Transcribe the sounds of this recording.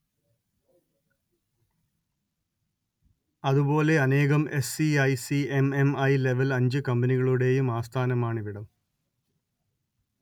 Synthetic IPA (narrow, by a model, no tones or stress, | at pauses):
ɐðubo̞ːle̞ɐne̞ːɣɐme̞siɐjsieme̞mɐjle̞ʋɐlɐɲd͡ʑɨkɐmbɐniɣɐɭuɽe̞ːjumaːst̪ʰaːnɐmaːɳiʋiɽɐm